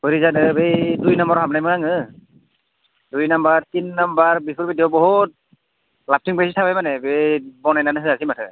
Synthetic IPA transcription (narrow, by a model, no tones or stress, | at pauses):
bɔɾizanɯbejdujnɔmbɔɹɦapnajmɯɹaŋɯ | dujnambaɹtinːambaɹbipʰuɹbidɔbɔɦut̚ | lap̚tʰiŋpasitʰabajmanɛbejbɔnajnanɯsɯasimatʰɯ